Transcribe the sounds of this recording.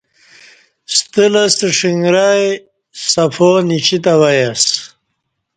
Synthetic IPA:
st̪əlɐst̪əʂiŋɡɾaːj | sɐfonit͡ɕit̪ɐwɐjas

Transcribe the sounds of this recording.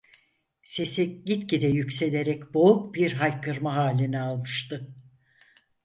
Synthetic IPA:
se̞siɟit̪cid̪ɛjycʲse̞lʲe̞ɾɛcbo̞uk̚biɾɦajkʰɯɾmaɦaːlʲinɛalˠmɯʃt̪ʰɯ

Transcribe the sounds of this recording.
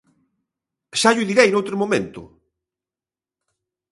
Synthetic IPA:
ʃaʎʊðiɾɛjnowt̪ɾomomẽnt̪ʊ̰

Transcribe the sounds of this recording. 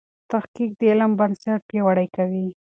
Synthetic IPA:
t̪axkik̚d̪əelambansaʈ̚pjawaɽajkawi

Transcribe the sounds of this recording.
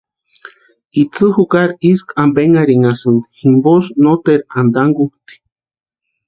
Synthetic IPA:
it͡sɨhukaɾiskʰambeŋaɾiŋasɨnhimbosnot̪eɾand̪aŋɡut̪i̥

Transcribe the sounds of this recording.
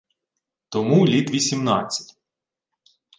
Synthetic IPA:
t̪ɔmulʲit̪ʋʲisʲimnɑt͡sʲːɐ̥tʲ

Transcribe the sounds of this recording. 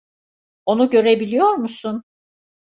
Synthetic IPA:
o̞nuɟø̞ɾebilʲijo̞ɾmusun

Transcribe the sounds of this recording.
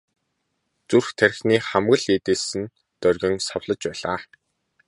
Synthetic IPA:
t͡surxt̪ʰæɾ̆ʲxniːχæmɣə̆ɮiːt̪eːsɘ̆n | t̪œrɣʲɪ̆ŋsawɮə̆t͡ɕpæːɮaː

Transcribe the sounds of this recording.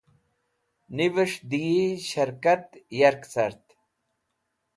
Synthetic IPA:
niʋəʂd̪ijiɕɐɾkɐt̪jɐɾksɐɾt̪

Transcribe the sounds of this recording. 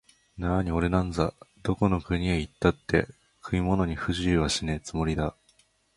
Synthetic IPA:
naɲ̟io̞ɾe̞nãnd͡zad̪o̞ko̞no̞kɯ̟ɲ̟iait̪ːat̪ːe̞̰ | kʰɯ̟mʲimo̞no̞ɲ̟iɸɯ̟ʑɨːβaɕinet͡sɨmo̞ɾʲid̪a

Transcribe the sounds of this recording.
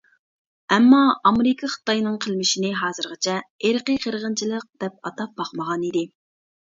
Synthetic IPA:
ɛmːɑɑmeɾɪkʰɑχɨ̥t̪ɑjnɨŋqʰəlˠmɪʃinɪɦɑːzɨɾʁət͡ʃʰɛeɾqəqʰəɾʁənt͡ʃʰilˠəq̚d̪̥ɛp̚ɑt̪ɑp̚bɑqməʁɑnid̪ɪ

